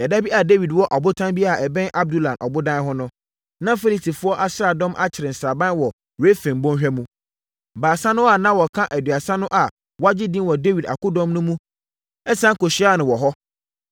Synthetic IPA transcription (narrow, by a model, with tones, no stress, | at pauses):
ɛ˨da˦bi˦a˨de˦wi˨dwɔ˦ʔɔ˨bʊ˦tʰã˦nbi˦a˨ɛ˨bɛ̃˦nʔa˦b̚du˦lã˨nʔɔ̰˨bʊ˦dã˦ɦʊ̃˦nʊ̃˦ | nã˦fe˦li˦tʰi˨fʊ˦ɔ˦ʔa˦ɕɪ˦a˨dɔ̃˦mʔa˦t͡ɕʰɪ˨ɾɪ˨n̩˨sa˨bã˦n˦wɔ˨ | we˦fɛ̃˨m˨bɔ̃˦nɕᶣɛ˦mũ˦ | baː˨sa˦nʊ̃˦a˨nã˦wɔ˨kʰã˦ʔæ˨dɥa˨sã˦nʊ̃˦ʔa˨ | wɔ˦a˦d͡ʑɪ˦dĩ˦nwɔ˨de˦wi˨da̰˨kʊ˦dɔ̃˦mnʊ̃˦mũ˦ | ɛ˦sã˦ŋ˦ko˨ɕi˨˦a˦˨nʊ̃˨wɔ˨ɦɔ˦